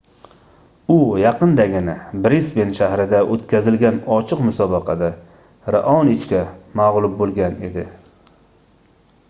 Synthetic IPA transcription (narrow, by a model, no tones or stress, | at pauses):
ʊjɑqɨnd̪aɡʲɪnɪbɾisbenʃahɾɪd̪aʔot̪kʲʰazɪlɡʲanɒt͡ʃʰɨqmʊsɒbɑqʰɑd̪a | ɾaʔɒnɪt͡ʃkʲamaʁlˠʊp̚bolˠɡʲane̞̰d̪ɪ